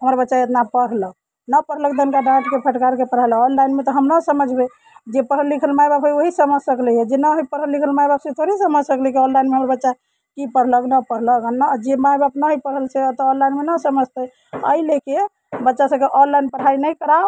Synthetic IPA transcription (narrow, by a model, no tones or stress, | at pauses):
ɦəmɾabətːʃaet̪napəɽ̤lək̚ | nəpəɾ̤ɦlək̚d̪ənkaɖãʈkepʰəʈkaɾkepəɾ̤ajləɔnlajnmet̪ɔɦəmnəsəməd͡ʒʱbe | d͡ʒepəɦəlːikʰəlmajbabɦojoɦisəməsəkləɦɛd͡ʒenəɦojpəɾɦəlːikʰəlmajbabsẽt̪ʰoɾisəməd͡ʒʱsəkləkiɔ̃nlajnmeɦəmɾabətːʃa | kipəɾ̤ləknəpəɽ̤ləɡnəd͡ʒemajbapnəɦopəɽɦəlset̪ɔɔ̃nlajnmenəsəməd͡ʒʱt̪əj | ə̰ileke | bətːʃasə̃keʔɔnlajnpəɽ̤ainəjkəɾao